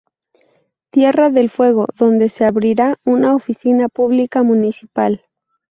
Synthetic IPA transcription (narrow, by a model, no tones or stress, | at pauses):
t̪je̞raðe̞lfwe̞ɣ̞o̞̰ðo̞nd̪e̞seaβɾiɾaunaofisinapuβlikamũnisipal